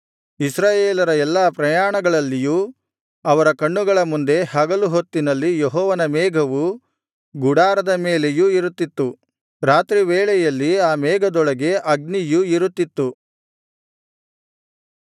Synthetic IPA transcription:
isɾaːjeːlɐɾɐɛlːaːpɾɐjaːɳɐɡɐɭɐlːijuː | ɐʋɐɾɐkɐɳːuɡɐɭɐmund̪e̞hɐɡɐluɦot̪ːinɐlːijeɦɔːʋɐnɐmɛːɡʱɐʋu | ɡuɽaːɾɐd̪ɐmeːle̞juiɾut̪ːit̪ːu | ɾaːt̪ɾiʋɛːɭɛjɐlːiaːmɛːɡʱɐd̪ɔɭɐɡe̞ʔɐɡ̚nijuiɾut̪ːit̪ːu

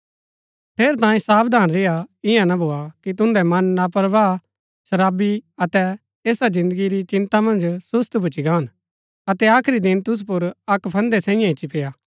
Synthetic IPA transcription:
pʰeːɾt̪ãːĩsaːbd̪aːnɾɪjaɪ̃jãnabʱoːakit̪̬ʊ̃nd̪ɛmɐnːapəɾʋaː | sɐɾaːbiɐt̪ɛ | eːsad͡ʒɪ̃nd̪əɡiɾit͡ʃɪ̃nt̪amɐ̃nd͡ʒsʊst̪bʱʊt͡ʃiɡaːn | ɐt̪ɛaːkʰɾid̪ɪnt̪ʊs̬up̬ʊɾɐkpʰɐ̃nd̪ɛsɛ̃ːɪ̃jãɦɪt͡ʃːipʰeːjaː

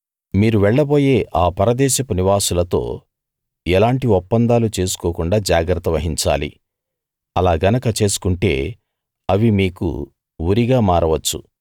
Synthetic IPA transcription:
miːɾuʋɛɭːɐbo̞ːjeːʔaːpɐɾɐd̪ɛːʃɐpɐniʋaːsulɐt̪o̞̰ː | ɛlaːɳʈiɔpːɐnd̪aːlut͡ʃe̞ːsu̥koːkuɳɖaːd͡ʒaːɡɾɐt̪ːɐʋɐɦiɲt͡ʃa̰ːlḭ | ɐlaːɡɐnɐkɐt͡ʃe̞ːsu̥kuɳʈe̞̰ː | ɐʋimiːkṵ | uɾiɡaːmaːɾɐʋɐt͡ʃːṵ

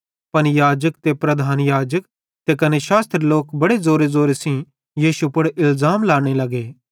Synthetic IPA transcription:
pɐnjaːd͡ʒəkt̪epɾɐd̪ʱaːnjaːd͡ʒək | t̪ekɐneʃaːst̪ɾeloːkbɐɽezoːɾezoːɾesĩ | jiːʃupʊɽʔɪlzaːmlaːɽ̃elɐɡeː

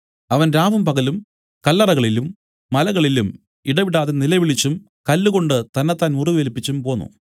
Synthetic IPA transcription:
ɐʋɐnɾaːʋɐmpɐɣɐlum | kɐlːɐrɐɣɐɭilumː | ɐlɐɣɐɭilum | iɽɐʋiɽaːðenilɐʋiɭit͡ɕːum | kɐlːuɣo̞ɳɖɨt̪ɐnːɐt̪ːaːnmuriʋelipːit͡ɕːumpo̞ːnːṵ

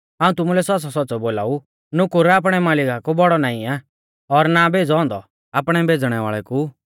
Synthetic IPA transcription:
ɦaːũt̪ʊmulɛsɔs̬ɔsɔtːsɔboːla̰ːu | nʊkuɾɛaːp̬ɽ̃ɛmaːlɪkakobɔɽɔnaːĩa | ɔɾnabʱeːd͡zɔɔ̃ːnd̪ɔ̰ | apɽ̃ɛbʱeːd͡zɽ̃ɛʋa̰ːɭɛku

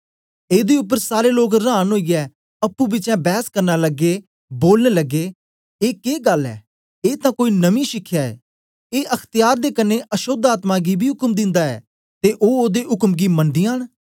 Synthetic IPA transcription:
eːd̪eːʊp̬ːəɾsaːɾeːloːkɾaːnɦoːiːɛː | əpːuːbɪt͡ʃɛ̃ːbɛːskəɾnaːləɡeː | boːlneːləɡːeː | eːkeːɡəlːɛ̰ː | eːt̪ãːkoːiːnəmĩːʃɪkʰːjaːɛ̰ː | eːʔəkʰt̪ɪjaːɾd̪eːkənːeːʔəʃod̪aːt̪mãːɡiːbʱiːɦʊkəmd̪ɪ̃nd̪aːɛ̰ː | t̪eːʔoːoːd̪eːɦʊkəmɡiːməɳɖ̪ɪːãːɦɳ

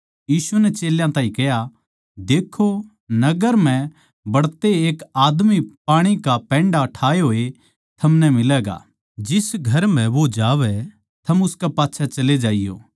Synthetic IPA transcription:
jiːsunɛt͡ʃeːljãt̪ãːĩkɛja | d̪eːkʰo | nɐɡəɾm̤ɛ̃ | bɐɽt̪eeːkaːd̪mipaːɽ̃ikapɛ̃ːɳɖaʈʰaːeɦoːe | t̪ʰɐmnɛmɪlɛɡa̰ː | d͡ʒɪsɡʱɐɾm̤ɛ̃ʋod͡ʒaːʋɛ | t̪ʰɐmʊskapaːtːʃʰat͡ʃɐled͡ʒaːɪjo̰ː

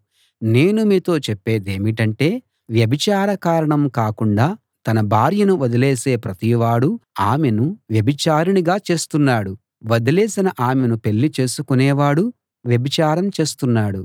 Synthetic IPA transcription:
ne̞ːnumiːt̪o̞ːt͡ʃepːeːd̪eːmiʈɐɳʈe̞ː | ʋjɐbit͡ʃaːɾɐkaːɾɐɳɐmkaːkuɳɖaː | t̪ɐnɐbʱaːɾjɐnuʋɐd̪ɐleːse̞ːpɾɐt̪iʋaːɽuaːme̞nuʋjɐbit͡ʃaːɾuɳiɡaːt͡ʃe̞ːst̪unːaːɽu | ʋɐd̪ɐleːsinɐʔaːme̞nupe̞ɭːit͡ʃe̞ːsukunɛːʋaːɽu | ʋjɐbit͡ʃaːɾɐmt͡ʃe̞ːst̪unːaːɽu

